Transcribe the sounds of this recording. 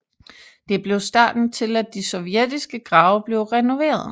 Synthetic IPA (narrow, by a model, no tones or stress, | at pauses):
d̥e̝b̥le̝ʊsd̥ɑ̰̈ːd̥n̩t͡sʰe̝læd̥isɒ̽ʊʋjed̥isɡ̥əɡ̥ʁɑ̈ʊb̥le̝ʊʁɛno̝ʋe̝̰ːɐðˠ